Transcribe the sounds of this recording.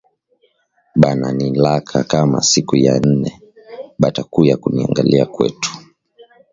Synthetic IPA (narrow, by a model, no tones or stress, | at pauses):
ɓananilakʰakama̰sikuja̰n̩nɛ | ɓatakujakuniaŋɡaliakwɛ̰tu̥